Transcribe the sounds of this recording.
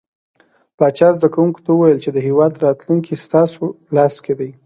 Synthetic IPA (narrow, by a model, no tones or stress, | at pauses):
pɑt͡ʃɑzd̪akawuŋko̥t̪awəwajəlt͡ʃed̪əɦewɑd̪ɾɑt̪luŋkist̪ɑso | lɑsked̪aj